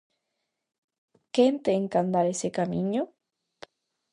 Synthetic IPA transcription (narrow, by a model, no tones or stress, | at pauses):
kent̪eːŋkand̪aɾesekamĩɲo